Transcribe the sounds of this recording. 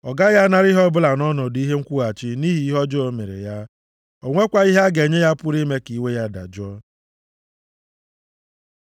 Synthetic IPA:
ɔ˨ɡa˦ja˦na˦ɾi˦ɦɔ˦bʊ˦la˨nɔ˦nɔ˨di˦ɦe˦ŋ̩˦kʷu˦a˨t͡ʃi˦ni˦ɦi˦ɦɔ˦d͡ʒɔ˦o˦me˨ɾḛ˨ja˦ | o˨ŋʷe˦kʷa˦i˦ɦa˦ɡe˨ɲe˦ja˦pʊ˦ɾi˦me˦ki˨we˦ja˦da̰˨d͡ʒɔ˦

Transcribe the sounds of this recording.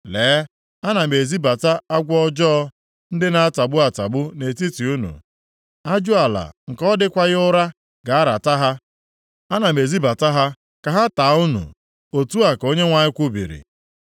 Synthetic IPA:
leː˨˦ | a˦na˨me˨zi˦ba˨ta˦a˦ɡʷɔ˦d͡ʒɔː˦ | n̩˦dɪ˦na˨a˦ta˨ɡ͡bʊ˦a˨ta˨ɡ͡bʊ˦ne˨ti˦ti˨u˦nṵ˨ | a˦d͡ʒʊ˦a˨la̰˨ŋ̩˨kɔ˦dɪ˦kʷa˦ɣɪ˦ʊ˦ɾa˦ | ɡa˨a˦ɾa˨ta˦ɦa˦ | a˦na˨me˨zi˦ba˨ta˦ɦa˦ | ka˨ɦa˦ta˨˦ʊ˦nṵ˨ | o˨tu˦a˨ko˦ɲe˦ŋʷa˨ɲɪ˦kʷʊ˦bḭ˨ɾḭ˨

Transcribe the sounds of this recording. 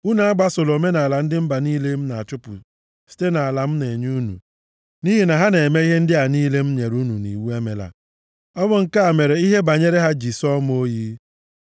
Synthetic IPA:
u˦na˨a˦ɡ͡ba˦sʊ˨lo˨me˦na˨a˨la˨n̩˦dɪ˦m̩˦ba˨niː˦le˦m̩˦na˨t͡ʃʊ˦pʊ̰˨ | si̥˦te˦na˨a˨la˨m̩˦ne˨ɲu˦nṵ˨ | ni˦ɦi˨na˨ɦa˦ne˨me˦i˦ɦe˦n̩˦dɪ˦a˨niː˦le˦m̩˦ɲe˨ɾu˦nu˨nḭ˨wu˦e˦me˨la̰˨ | ɔ˦bʊ˦ŋ̩˦ka˦a˨me˨ɾe˨i˦ɦe˦ba˨ɲe˦ɾe˦ɦa˦d͡ʒi˨sɔ˦m˦o˦ji˦

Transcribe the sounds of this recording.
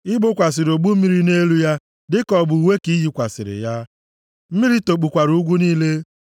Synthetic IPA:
ɪ˦ɡ͡bʊ˦kʷa˨s̬ɪ˨ɾo˨ɡ͡bu˦m̩˦i˦ɾi˦ne˦lu˦ja˦ | dɪ˦kɔ˨bʊ˨we˦ki˦ɦi˦kʷa˨sɪ̰˨ɾɪ̰˨ja˦ | m̩˦mi˦ɾi˦to˨k͡pu˨kʷa˨ɾu˦u˦ɡʷu˦niː˦le˦

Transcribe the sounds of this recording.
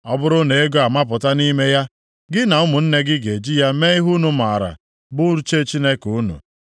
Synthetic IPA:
ɔ˦bʊ˦ɾʊ˦ne˨e˦ɡo˦a˨ma˦p̬ʊ˨ta˦ni˦me˦ja˦ | ɡɪ˦na˨ʊ˦mʊ˨n̩˦ne˦ɡɪ˦ɡe˨d͡ʒi˦ja˦me˦ɪ˦ɦu˦nu˨ma˨ɾa̰˨ | bʊ˦ɾu˦t͡ʃe˦˨t͡ʃi˦ne˦ku˨˦nṵ˨

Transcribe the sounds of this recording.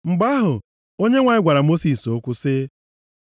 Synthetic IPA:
ŋ͡m̩˨ɡ͡ba˦ɦʊ˨ | o˦ɲe˦ŋʷa˨ɪ˦ɡʷa˨ɾa˨mo˦si˨so˦kʷʊ˦sɪ˦

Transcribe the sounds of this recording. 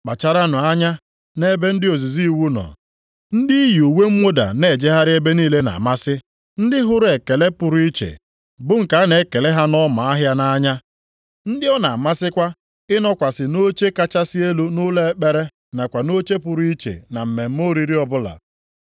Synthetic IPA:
k͡pa˨t͡ʃa˨ɾa˦nʊ˨a˦ɲa˦ | ne˦be˦n̩˦dɪ˦o˨zi˨zi˦˨wu˦nɔ̰˨ | n̩˦dɪ˦i˦ju˨we˦m̩˦mo˦da̰˨ne˨d͡ʒe˦ɦa˦ɾɪ˦e˦be˦niː˦le˦na̰˨ma˦sɪ˦ | n̩˦dɪ˦ɦʊ˦ɾe˨ke˨le˦pʊ˨ɾu˦i˦t͡ʃḛ˨ | bʊ˦ŋ̩˨ka˨˦ne˨˦ke˨le˦ɦa˦nɔ˦ma˨a˦ɦja˦na˦ɲa˦ | n̩˦dɪ˦ɔ˦na˨ma˦sɪ˦kʷa˦ | ɪ˦nɔ˦kʷa˨sɪ˨no˦t͡ʃe˦ka˦t͡ʃa˦sɪ˦e˦lu˦nʊ˦le˦k͡pe˦ɾe˦ | na˨kʷa˨no˦t͡ʃe˦pʊ˨ɾu˦i˦t͡ʃḛ˨na˨m̩˨me˨m̩˦mo˦ɾi˦ɾi˦ɔ˦bʊ˦la̰˨

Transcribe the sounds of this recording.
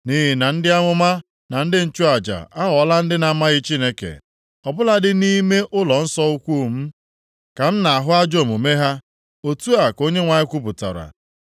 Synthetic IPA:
ni˦ɦɪ˨na˨n̩˦dɪ˦a˦ŋʷʊ˦ma˦ | na˨n̩˦dɪ˦n̩˨t͡ʃu˦a˨d͡ʒa̰˨a˦ɣɔ˨˦la˦n̩˦dɪ˦na˨˦ma˦ɣɪ˦t͡ʃi˦ne˦kḛ˨ | ɔ˨bʊ˦la˦dɪ˦ni˦me˦ʔʊ˦lɔ˨n̩˦sɔ˦u˦kʷu˦˨m̩˦ | ka˨n̩˦na˨a˨ɦʊ˦a˦d͡ʒo˦˨mo˨me˦ɦa˦ | o˨tu˦a˨ko˦ɲe˦ŋʷa˨ɲɪ˦kʷu˦pʊ˨ta̰˨ɾa̰˨

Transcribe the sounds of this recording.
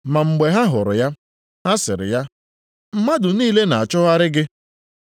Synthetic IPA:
ma˨ŋ͡m̩˨ɡ͡be˨ɦa˦ɦʊ˨ɾʊ˨ja˦ | ɦa˦sɪ˨ɾɪ̰˨ja˦ | m̩˦ma˦dʊ˨niː˦le˦na˨a˨t͡ʃɔ˦ɣa˦ɾɪ˦ɡɪ˦

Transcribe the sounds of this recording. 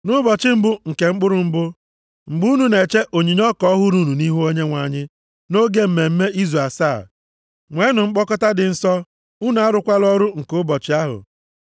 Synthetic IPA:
nʊ˦bɔ˨t͡ʃɪ˦m̩˦bʊ˦ŋ̩˨ke˨ŋ͡m̩˦k͡pʊ˦ɾʊ˨ŋ͡m̩˦bʊ˦ | ŋ͡m̩˨ɡ͡bu˦nu˨ne˨t͡ʃe˦ʔo˨ɲi˨ɲ˦ɔ˦kɔ˦ɦʊ˦ɾu˦nu˨ni˦ɦu˦o˦ɲe˦ŋʷa˨ɲɪ˦ | no˦ɡe˦m̩˨me˨m̩˦me˦ʔi˦ze˨saː˦˨ | ŋʷe˨˦nʊ˨ŋ͡m̩˦k͡pɔ˦kɔ˦ta˦dɪ˨n̩˦sɔ˦ | u˦nu˨˦a˦ɾʊ˨kʷa˦lɔ˦ɾʊ˦ŋ̩˨kʊ˦bɔ˨t͡ʃɪ˨˦a˦ɦʊ̰˨

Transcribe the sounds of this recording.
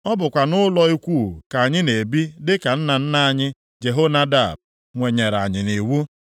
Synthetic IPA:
ɔ˦bʊ˨kʷa˨nʊ˦lɔ˦i˦kʷu˦˨ka˨a˨ɲɪ˦ne˨bi˦dɪ˦ka˨n̩˦na˨n̩˦na˦a˨ɲɪ˦ | d͡ʒe˨ɦo˦na˦da˦˨b̚ | ŋʷe˨ɲe˨ɾa̰˨ɲɪ˨ni˨wu˦

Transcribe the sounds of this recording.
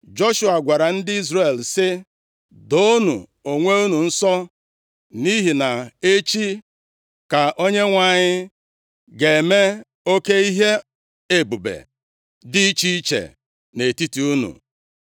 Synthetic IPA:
d͡ʒo˦ʃu˨a˨ɡʷa˨ɾa˨n̩˦dɪ˦i˦zɾe˨lsɪ˦ | do˦nṵ˨o˨ŋʷe˦u˦nu˨n̩˦sɔ˦ | ni˦ɦi˨na˨e˦t͡ʃi˦ | ka˨ʔo˦ɲe˦ŋʷa˨ɲɪ˦ | ɡe˨e˨me˦ | o˦ke˦i˦ɦe˦ | e˦bu˨bḛ˨ | dɪ˦t͡ʃi˦i˦t͡ʃḛ˨ | ne˨ti˦ti˦u˦nṵ˨

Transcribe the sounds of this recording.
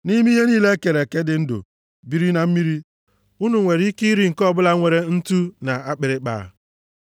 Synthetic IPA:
ni˦mi˦ɦe˦niː˦le˦ke˨ɾe˨ke˦dɪ˨n̩˦dʊ̰˨ | bi˦ɾi˦na˨m̩˦mi˦ɾi˦ | u˦nu˨ŋʷe˨ɾi˦ki˦i˦ɾi˦ŋ̩˨kɔ˦bʊ˦la˦ŋʷe˨ɾe˦n̩˦tu˦na˨a˦k͡pɪ˨ɾɪ˦k͡pa̰˨

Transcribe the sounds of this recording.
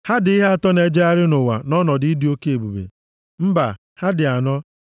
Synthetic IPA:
ha˦dɪ˨i˦ɦe˦a˨tɔ˦ne˨d͡ʒe˦a˦ɾɪ˦nʊ˨wa̰˨nɔ˦nɔ˨ddɪ˨˦o˦ke˦e˨bu˨bḛ˨ | m̩˦ba˨ | ha˦dɪ˨a˨nɔ˦

